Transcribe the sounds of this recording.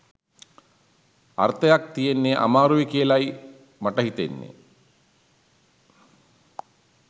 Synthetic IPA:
a̰rt̪ɐjak̚t̪ijenːeʔa̰maːɾuʋekijəlaj | maʈəɦit̪enːḛ

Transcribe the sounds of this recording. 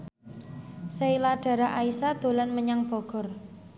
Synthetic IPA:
seilaɖ̥a̤ɾaʔaisad̪̥o̤lanməɲaŋb̥ɔ̤ɡ̥ɔ̤r

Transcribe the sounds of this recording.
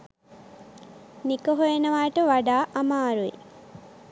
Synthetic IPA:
nikɐɦojenɐʋaːjʈəʋaɖaːʔɐmaːɾuḭ

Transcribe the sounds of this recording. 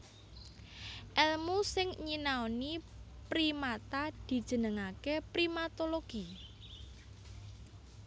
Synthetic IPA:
ʔɛlmusɪŋɲinaonipɾimat̪ad̪̥i̤d̥ʒ̥ə̤nəŋakepɾimat̪oloɡ̥i

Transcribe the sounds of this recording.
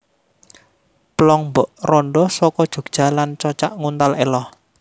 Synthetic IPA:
plɔŋmbɔʔrɔnɖɔsɔkɔd̥ʒ̥ṳɡ̥̚ʒ̥a̤lant͡ʃɔt͡ʃaʔŋunt̪alelɔh

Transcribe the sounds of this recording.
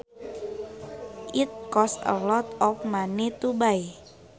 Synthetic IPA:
ʔit̪̚kɔsə̰lɔt̪ɔfmanet̪ubaj

